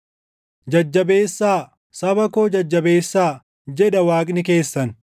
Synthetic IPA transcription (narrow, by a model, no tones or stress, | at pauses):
d͡ʒɐd͡ʒːɐbe̞ːsːaː | sɐbɐkoːd͡ʒɐd͡ʒːɐbe̞ːsːaː | d͡ʒɛᶑɐwaːkʼnɪke̞ːsːɐn